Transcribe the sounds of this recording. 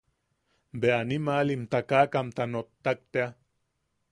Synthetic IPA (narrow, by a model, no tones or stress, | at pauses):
mbeanimalimt̪akaːkamt̪anot̪ːak̚t̪ea